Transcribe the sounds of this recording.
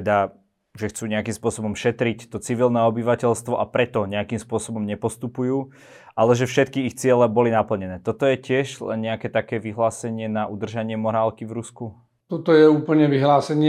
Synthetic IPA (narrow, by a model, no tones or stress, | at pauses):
ɛd̪a | ʒɛxt͡suːɲɛakimspʊɔsɔbɔmʃɛt̪ɾict̪ɔt͡siʋilnɛːɔbiʋacɛʎst̪ʋɔʔapɾɛt̪ɔɲɛakimspʊɔsɔbɔmɲɛpɔst̪upujuː | ʔalɛʒɛfʃɛt̪kiːxt͡sɪɛlɛbɔlinapl̩ɲɛnɛːt̪ɔt̪ɔjɛcɪɛʒlɛ̰nɲɛakɛːt̪akɛːʋiɦlaːsɛɲɪɛnaʔud̪r̩ʒaɲɪɛmɔɾaːlkivɾusku | t̪ɔt̪ɔjɛuːpl̩ɲɛʋiɦlaːsɛɲɪ